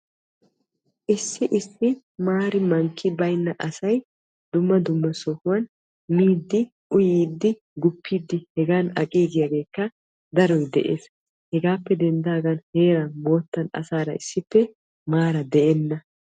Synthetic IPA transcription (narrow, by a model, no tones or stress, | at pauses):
ʔɪsːɪʔɪsːɪ | maːɾɪmɐŋkʰːɪbɐjnːɐʔɐsɐj | d̪ʊmːɐd̪ʊmːɐsɔhʊwɐn | miːd̪ːɪ | ʔʊjiːd̪ːɪ | ɡʊpːiːd̪ːɪhɛɡaːnɐkʼiːɡɪjaɡe̞ːkːɐ | d̪ɐɾɔjd̪ɛ̰ʔḛːs | hɛɡaːpːɛd̪ɛnd̪aːɡɐnhe̞ːɾɐmo̞ːt̪ːɐnɐ̰saːɾɐ̰ɪsːɪpːɛ | maːɾɐd̪ɛʔɛnːɐ